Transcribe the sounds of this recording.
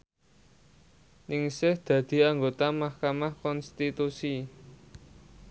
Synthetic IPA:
nɪŋsɪhd̪̥ä̤d̪̥i̤aŋɡot̪amahkamahkɔnst̪it̪usi

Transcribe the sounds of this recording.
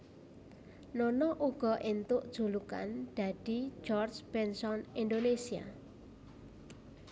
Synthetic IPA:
nɔnɔʔuɡ̥ɔ̤ʔent̪ʊʔd̥ʒ̥ṳluka̰nd̪̥a̤d̪̥i̤d͡ʒɔrd͡ʒb̥ɛnsɔnind̪onesia̰

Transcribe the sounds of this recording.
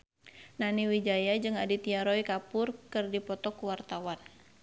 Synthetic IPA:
naniwid͡ʒajad͡ʒɨŋadit̪iaɾɔikapʊrkɨrdipɔt̪ɔkuwart̪awan

